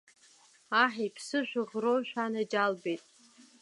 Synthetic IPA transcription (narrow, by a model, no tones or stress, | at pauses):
aħejpʰsɨʒʷᶣʊʁroʃᶣanad͡ʒalbejtʼ